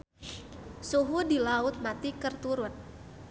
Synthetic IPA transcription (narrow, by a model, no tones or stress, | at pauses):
suɦudilaʊt̪̚mat̪ikərt̪uɾʊn̚